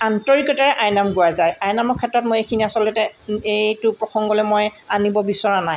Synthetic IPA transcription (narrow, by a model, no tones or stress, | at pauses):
antɔɹikɔtaɹɛʔajnamɡoazajajnamɔkʰɛtɹɔtmojekʰiniasɔlɔtɛejtʊpɹɔxʰɔŋɡɔlɛmojanibɔbisɔɹanaj